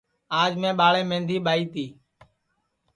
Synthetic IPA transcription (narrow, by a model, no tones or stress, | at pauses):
aːd͡ʒmẽːɓaːɭẽːmẽːnd̪ʱiːɓaːiːt̪iː